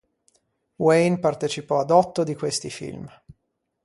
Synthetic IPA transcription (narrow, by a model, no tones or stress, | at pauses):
wejnpart̪et͡ʃipɔad̪ɔt̪ːod̪ikwest̪ifḭlm